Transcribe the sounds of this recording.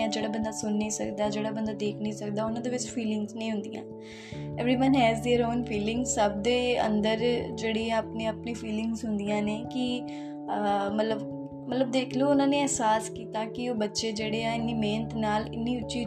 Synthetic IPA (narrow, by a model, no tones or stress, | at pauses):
ãːd͡ʒeːɽaːbənd̪aːsʊnːĩːsə̰kd̪aːd͡ʒeːɽaːbənd̪aːd̪eːkʰnĩːsək̚d̪aːʊnãːd̪eːʋɪt͡ʃpʰiːlɪ̃ŋɡznəĩːɦʊ̃nd̪ijã̰ː | ɛːʋɾiːʋənɦɛːzd̪eːɾoːnpʰiːlɪŋɡzsəb̚d̪eːə̰̃nd̪əɾd͡ʒeːɽĩːaːpnẽːəpnẽːpʰiːlɪ̃ŋɡzɦʊnd̪ijãːneːkɪ | əmət̪ləb | mət̪ləb̚d̪eːkʰloːʊnãːneːɛɦsaːskiːt̪ãːkɪoːbətːʃeːd͡ʒeːɽeːãːɪnːiːmeːnət̪naːlɪ̰nːiːʊt͡ʃiː